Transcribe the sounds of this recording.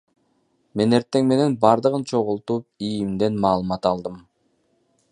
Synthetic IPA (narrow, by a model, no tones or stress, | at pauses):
me̞ne̞ɾt̪ːe̞ŋme̞ne̞nbɑɾd̪ɯʁɯnt͡ʃʰo̞ʁulˠt̪uːp̚ijimd̪e̞nmɑːlˠɯmɑt̪ɑlˠd̪ɯm